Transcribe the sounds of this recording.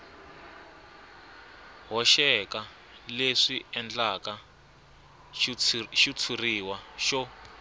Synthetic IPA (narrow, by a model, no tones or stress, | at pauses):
ɦɔʃɛka | leʂiɛnd͡ɮaka | ʃit͡sʰuriwaʃɔ